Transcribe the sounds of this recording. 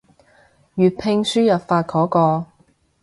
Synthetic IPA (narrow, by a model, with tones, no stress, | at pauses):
ɥyː˨t̚pʰɪ˧ŋsyː˥jɐ˨p̚faː˧t̚kʰɔː˨˥kɔː˧